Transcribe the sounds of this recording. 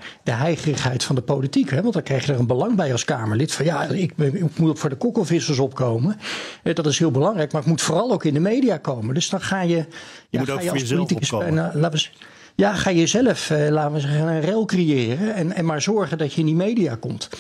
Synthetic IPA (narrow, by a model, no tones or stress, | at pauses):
d̥əɦɛjχərəχɦɛjtfɑndəpowlitikɦɛʋɑntdɑŋkrɛjχjədəɹənbəlɑŋbɛjɑlˠskaːməɹlɪtfɑnjaɪkɪkmutokfʊːɹdəkɔkəlˠvɪsəlˠs̬ɔpkowməɛdɑtɪsɦɪːlˠbəlɑŋrɛjk̚maːɹətmutfʊːrɑlˠowkɪndəmejdijaːkowməndɵsdɑnχaːjə | jaaːjəolitikslaːt | jaːχaːjəzɛləflaːtəʋəzɛχənənrɛlˠkrijɪːrəɛnɛnmaːɹzɔɹχəndɑtəɪndimejdija̰ːkɔmt